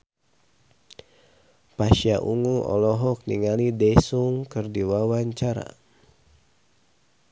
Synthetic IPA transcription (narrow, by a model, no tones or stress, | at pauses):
paʃiaʔuŋuʔɔ̰lɔɦɔk̚niŋalidɛsuŋkɨrdiwawaɲt͡ʃaɾa̰